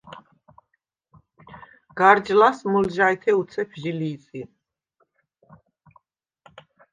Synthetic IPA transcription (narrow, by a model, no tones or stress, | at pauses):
ɡ̥aɾd͡ʒlasmulʒait̪ʰɛut̪sʰɛpʰʒiliːt̪sʼin